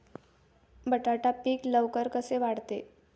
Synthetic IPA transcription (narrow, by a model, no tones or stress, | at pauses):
bəʈaʈapiːkləʋkəɾkəseʋaɽt̪e